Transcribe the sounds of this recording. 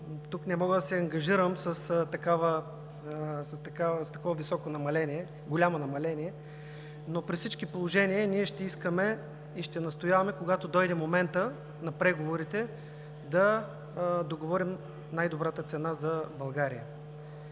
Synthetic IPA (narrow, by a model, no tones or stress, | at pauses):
t̪uknɛmɔɡəd̪ɐsɛɐŋɡɐʒiɾəmsəst̪ɐkavə | sɐst̪ɐkavst̪ɐkɔvɐvisɔkonɐmɐlɛniɛ | ɡolʲamonɐmɐlɛniɛ | nopɾisit͡ʃkipolˠoʒɛniəniɛʃt̪ɛiskəmɛ | iʃt̪ɛnɐst̪ojavɐmɛkoɡat̪od̪ɔjd̪ɛmomɛnt̪ə | nɐpɾɛɡovoɾit̪ɛ | d̪ɐ | d̪oɡovɔɾim | najd̪obɾat̪ət̪sɛnazɐbɐlˠɡaɾijə